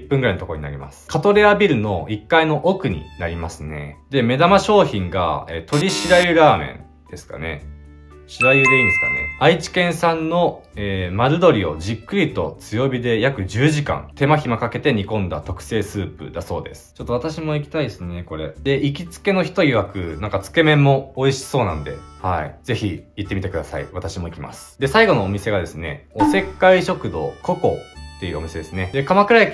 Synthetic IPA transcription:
pːɯ̃ŋɡɯɾainot̪okoɲ̟ina̰ɾʲima̰sɨ̥kʰat̪o̞ɾe̞abʲiɾɯ̟no̞ikːaino̞ʔokɯ̟ɲ̟ḭnaɾʲimasɨne̞̰d̪e̞me̞d̪amaɕo̞ːçĩŋɡa̰eːt̪o̞ɾʲiɕiɾaiɯɾaːmẽ̞̰n | d̪̥e̞sɨ̥ka̰ne̞̰ | ɕiɾaiɯd̪eĩnesɨ̥ka̰nḛait͡ɕi̥kẽ̞ɰ̃sãnːo̞eːmaɾɯd̪o̞ɾʲio̞̰ʑikːɯ̟ɾʲit̪o̞t͡sɨjo̞bʲid̪e̞jakɯ̟d͡ʑɨːʑikã̰nt̪e̞maçimakake̞t̪e̞ɲ̟ikõ̞nd̪a̰t̪o̞kɯ̟̥se̞ːsɨːpɯ̟̰d̪aso̞̰ːd̪e̞sɨ̥t͡ɕot̪ːo̞at̪aɕimo̞ikʲi̥t̪aid̪esɨne̞ko̞ɾe̞̰d̪e̞ʔikʲit͡sɨ̥ke̞noçi̥t̪oiɡakɯ̟nãŋkat͡sɨ̥ke̞mẽ̞mːo̞ːiɕi̥so̞ːnã̰nod̪e̞̰haḭd͡ze̞çiːt̪ːe̞mit̪ekɯ̟d̪asa̰ḭβat̪aɕimo̞ikʲima̰sɨ̥d̪e̞saiɡo̞no̞ːmʲise̞ɡad̪e̞sɨne̞̰ose̞kːaiɕo̞kɯ̟d̪o̞̰ːko̞ko̞̰t̪ːe̞iɯ̟o̞mise̞d̪e̞sɨne̞d̪e̞kamakɯ̟ɾajakʲ

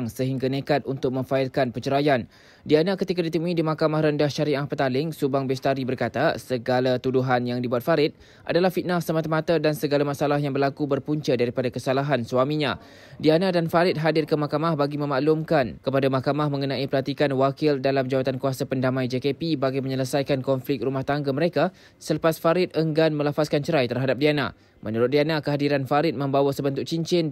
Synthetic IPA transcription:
ŋsəɦiŋɡanekat̪̚unt̪ʊk̚mə̃ɱfaɪlkanpət͡ʃəɾajan | dianakət̪ikadit̪əmuĩdimakamahɾəndahʃaɾiahpət̪alɪŋsubaŋbɛst̪aɾibərkat̪asəɡalat̪uduɦanjaŋdibuat̪̚faɾɪt̪̚ | ʔa̰dalahfit̪̚nasəmat̪amãt̪adansəɡalamasalaɦjaŋbərlakubərpuɲt͡ʃədaɾipadakəsalaɦanswamĩɲã̰ | dianadanfaɾɪt̪̚ɦadɪrkəmahkamahbaɡimə̃maʔlumkankəpadamahkamahmə̃ŋənãʔipəlat̪ikanwakɪldalamd͡ʒawat̪ankuasapəndamãjd͡ʒekepibaɡajməɲələsajkankɔnflɪk̚t̪̚rumaht̪aŋɡaməɾeka | sələpasfaɾɪt̪̚əŋɡanmə̃lafaskant͡ʃəɾajt̪ərɦadap̚diana̰ | mʔənuɾʊt̪̚dianakəɦadiɾanfaɾɪt̪̚mə̃mbawasəbənt̪ʊk̚t͡ʃiɲt͡ʃɪn

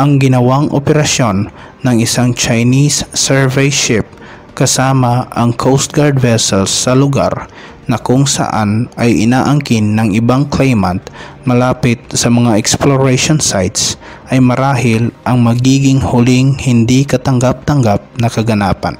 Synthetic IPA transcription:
ʔɐŋɡɪnɐwaŋʔo̰pɛɾɐsjo̞nː | ɐŋɪsaŋt͡ʃajnisːɛɹvɛjʃɪp̚ | kɐsaːmɐʔɐŋkʰowst̪̚ɡaɹd̪vɛsɛlsːɐlʊɡa̰ɾ | nɐkʊŋsɐ̰ʔa̰nʔɐjʔɪ̰naːʔɐŋkɪnːɐŋʔɪbaŋklɛjmɐnt̪̚ | mɐlaːpɪt̪̚sɐmɐŋaʔɛksploɹɛʃonsajt̪s | ʔɐjmɐɾaːhɪlʔɐŋmɐɡiːɡɪŋhʊlɪŋhɪnd̪ikɐt̪ɐŋɡap̚t̪ɐŋɡap̚nɐkɐɡɐnaːpɐ̰n

